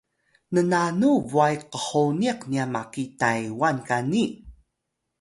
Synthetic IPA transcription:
nənanuvuajqəħoniqniamakitajwankani

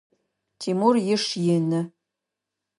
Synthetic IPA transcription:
tʰimurjɪʂjɪnɨ

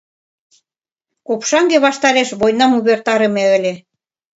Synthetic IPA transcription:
kopʃɑŋɡeβɑʃt̪ɑɾeʃβojnɑmuβert̪ɑɾɤ̆meə̆lʲĕ

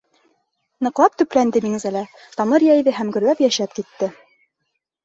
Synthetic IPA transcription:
nɤ̆qlˠɑp̚t̪ɵ̆plænd̪ɘmiŋzælæ | t̪ɑmɤɾjæjðɘɦæmɡɵ̆ɾlæpjæʃæp̚kit̪ːɘ

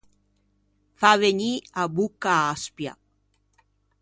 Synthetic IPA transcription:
faβeɲiabukaːspja̰k̚

